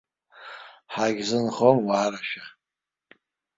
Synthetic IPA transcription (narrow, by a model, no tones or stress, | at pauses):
ħaɡʲzɨnχomwaːɾaʃᶣa